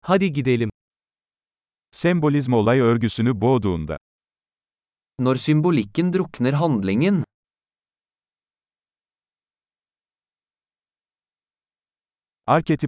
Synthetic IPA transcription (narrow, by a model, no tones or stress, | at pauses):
hɑd̪iɡid̪elɪm | sɛmbʊlɪs̬mɔlˠɑjœɾɡysynyboːd̪uːnd̪ɑ̰ | nɔɾsʏmbʊlɪkənd̪ɾʊknəɾɦɑnd̪lɪŋən | ɑɾket̪ʰɪ